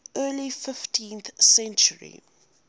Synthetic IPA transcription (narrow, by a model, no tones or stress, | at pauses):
ɜːlifɪftʰĩnθsɛ̃nt͡ʃəɹḭ